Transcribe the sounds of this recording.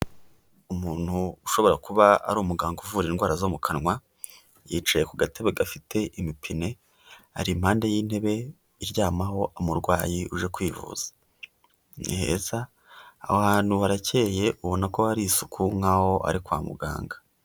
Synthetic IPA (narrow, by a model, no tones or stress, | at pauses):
umuːn̥huːʃo̞βoɾakuβaa̰ɾuːmuɡaːŋɡuvuːɾinɡwaːɾazomukʰanŋwa | jiːt͡ʃajekuɡateβeɡafitʰe̞ʔimipʰine̞ | a̰ɾim̥haːnde̞jiːn̥he̞βe̞ | iɾɟaːmaho̞ʔamuɾɡwaːjiuʒe̞kwiːvṵːz̥ḁ | nihḛːza̰ː | haːn̥huhaɾace̞ːje̞ʔuβo̞nako̞haɾisu̥kʰuŋ̥aho̞ʔa̰ɾikwa̰ːmṵɡa̰ːŋɡḁ